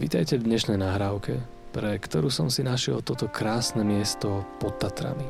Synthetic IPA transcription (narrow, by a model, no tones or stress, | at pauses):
ʋḭːt̪ajcɛvd̪ɲɛʃnɛjnaɦɾaːʊkɛ | pɾɛkt̪ɔɾuːsɔmsinaʃɪɛ̰lt̪ɔt̪ɔkɾaːsnɛmɪɛst̪ɔpɔt̪ːat̪ɾa̰mi